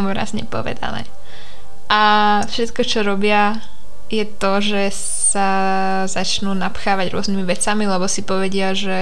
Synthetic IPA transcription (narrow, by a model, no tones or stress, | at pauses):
muɾa̰ːzɲɛ̰pɔ̰ʋɛ̰d̪a̰nɛ̰ː | ʔa | fʃɛt̪kɔt͡ʃɔɾɔbɪa | jɛt̪ɔʒɛ | s | a | zat͡ʃnuːnapxaːʋaɟɾʊɔznimiʋɛt͡samilɛbɔsipɔʋɛɟɪaʒɛ